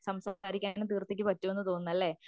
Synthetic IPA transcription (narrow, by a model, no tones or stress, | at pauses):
sɐmsaːɾikʲːaːnɨt̪iːrt̪ːek̬ʲːɨpɐtːuʋe̞nːɨt̪o̞ːnːɐlːe̞